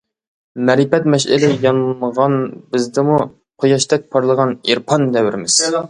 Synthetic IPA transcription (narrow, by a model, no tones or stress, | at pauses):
mɛɾipɛt̪mɛʃɪ̰lɪjɑnmʁɑnbɪzd̪ɪmu | qʰojɑʃt̪ɛk̚pʰɑɾlˠəʁɑniɾpʰɑnːɛwɪɾɪmɪz̥